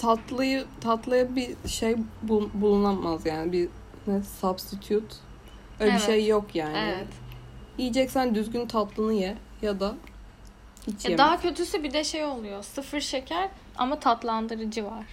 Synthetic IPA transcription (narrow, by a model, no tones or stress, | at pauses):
t̪ʰat̪lˠajɯt̪ʰat̪lˠajabiʃejbubulˠunˠamazjaːnɪbi | nɛsabst̪it̪ʰjut̪ | ɛbiʃejːokjaːnɪ | ijid͡ʒɛcsænd̪yzɡʲynt̪ʰat̪lˠɯnɯjɛ | jad̪a | hit͡ʃʰjemd̪aɦacʰø̞t̪ʰysɛbid̪ɛʃejo̞lˠujosɯfɯɾʃecʰæɾ | a̰mat̪ʰat̪lˠand̪ɯɾɯd͡ʒɯvaɾ̥